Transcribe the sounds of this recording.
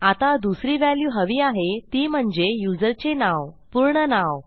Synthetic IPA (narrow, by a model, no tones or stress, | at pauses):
at̪ad̪usɾiːʋæljuːɦəʋiːaɦet̪iːm̤əɳd͡zejud͡zəɾt͡senaʋpuɾɳənaʋ